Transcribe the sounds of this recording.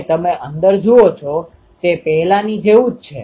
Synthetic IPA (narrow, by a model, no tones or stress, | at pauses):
t̪əmeʔənd̪əɾd͡ʒoot͡ʃʰo | t̪epɛɦlanid͡ʒeʋũd͡ʒ̚t͡ʃʰḛ